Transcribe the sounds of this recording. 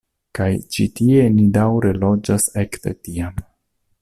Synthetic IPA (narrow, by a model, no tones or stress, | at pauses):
kajt͡ʃitienidawɾe̞lo̞d͡ʒasekt̪ḛtiam